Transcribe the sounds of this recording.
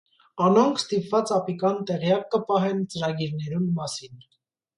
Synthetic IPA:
ɑnɔŋkʰst̪ipvɑt͡sɑpikɑnt̪ɛʁjɑkːəpɑɦɛnt͡səɾɑɡiɾnɛɾummɑsin

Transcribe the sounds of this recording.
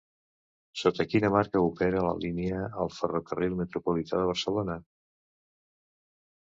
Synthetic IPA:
sot̪əkinəmaɾkəupɛɾələ̰liniəːlˠfərokərilˠmət̪ɾupulit̪ʰaðəβ̞əɾsəlonə

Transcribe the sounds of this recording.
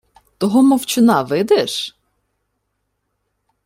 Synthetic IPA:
t̪ɔɦɔmɔwt͡ʃɪnɑʋɪd̪ɛʃ

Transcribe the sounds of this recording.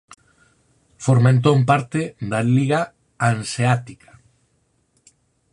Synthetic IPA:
foɾmẽnt̪ompaɾt̪ɪðaliɣa | anseat̪ikʰḁ

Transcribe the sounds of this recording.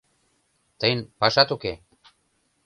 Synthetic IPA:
t̪əjnpaʃat̪uke

